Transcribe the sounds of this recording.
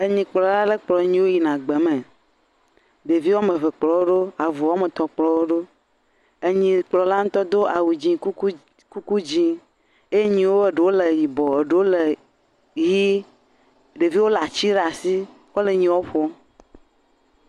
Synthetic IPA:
e˨ɲĩ˨k͡plɔ˨la˦le˦k͡plɔ˨˦ɲĩ˦wo˦ji˨nã˨ɡ͡be˨mẽ˨ | ɖe˨vi˦wɔ˦mẽ˨ve˨k͡plɔ˨wo˦ɖo˦a˨vu˨wɔ˦me˨t̪ɔ˨k͡plɔ˨˦wo˦ɖo˦ | e˨ɲĩ˨k͡plɔ˨la˦ŋ̩̃˦t̪ɔ˦d̪o˦ʔa˨wu˨d͡ʑĩ˦u˦ | ku˦ku˦d͡ʑi˦ | e˦je˦ɲĩ˨wo˦e˨ɖe˨wo˦le˨ji˨bɔ˨e˨ɖe˨wo˦le˨ | ji˦ | ɖe˨vi˦wo˦la˨t͡ɕi˦ɖa˨si˦ | kɔ˦le˨ɲĩ˨wo˦ɸɔ˦

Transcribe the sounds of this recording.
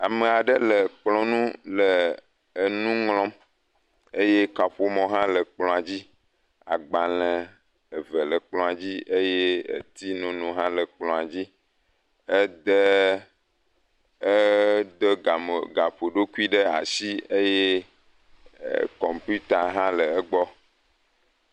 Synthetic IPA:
a˨mə˨a˨ɖə˦lə˨k͡plɔ̃˦nũ˦lə˨ | nũ˦ŋlɔ̃˦m | e˦je˦ka˨ɸo˨mɔ̃˨ɦã˦lə˨k͡plɔ̃˨a˨d͡ʑi˦ | a̰˨ɡ͡ba˨lə̃˨ | ə˨və˨lə˨k͡plɔ̃˨a˨d͡ʑi˦e˦je˦ə̰˨t̪i˦nũ˦nũ˨ɦã˦lə˨k͡plɔ̃˨a˨d͡ʑi˦ | ə˦d̪ə˦ | ə˦d̪ə˦˨ɡa˨ɸo˨ɖo˦ku˦i˦ɖə˦a̰˨si˦e˦je˦˨ | kɔ˨mpu˦t̪a˨ɦã˦lə˨ə˦ɡ͡bɔ˦

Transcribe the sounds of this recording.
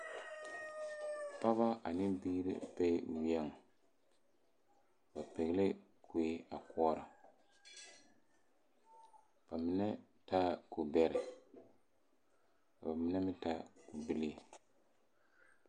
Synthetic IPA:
pa˦βa˦ʔa˨nɪ˦biː˦ɾɪ̰˦pe˦˨wɛ˦˨ŋ˨ | ba˨pe˨ɣle˦ | kʰu˨e˦a˨kɔː˦ɾa˨ | b̥a˨mɪ˦nɛ˦ | ta˦ku˨bɛ˦ɾɪ˨ | a˨ba˨mɪ˦na˦mɪ˦ta˦ku˨bɪ˦li˦˨

